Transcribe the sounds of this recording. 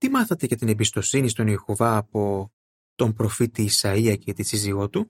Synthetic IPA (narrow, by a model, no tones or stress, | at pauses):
t̪imɐθɐt̪e̞ʝɐt̪ine̞bist̪o̞sinist̪o̞nexuvɐːpo̞ | t̪o̞mpɾo̞fit̪iːsɐiɐcet̪isiziɣo̞t̪u